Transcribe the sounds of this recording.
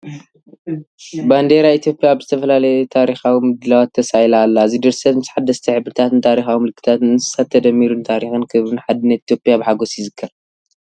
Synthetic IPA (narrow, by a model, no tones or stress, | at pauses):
band̪eɾait̪ʰijo̞pʼːjaːβzɨt̪ʰɐfɐlalɐjet̪ʰaɾixawimɨd̪ɨlawat̪ʰːɐsajlaːlːazid̪ɨɾsɐt̪mɨsħad̪ːɐst̪ʰiħɨbɾɨt̪ʰat̪ɨnt̪ʰaɾixawimɨlɨkʰːɨ̥t̪ʰat̪nɨzɨ̥sat̪ʰːɐd̪ɐmːiɾunt̪ʰaɾixɨnkʰɨɾɨnħad̪ɨnːɐt̪it̪ʰjo̞pʼijabɨħaɡosjɪzɨkʰːɐɾ